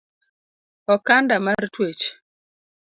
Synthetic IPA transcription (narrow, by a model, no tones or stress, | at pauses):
ɔkandamartwet͡ʃ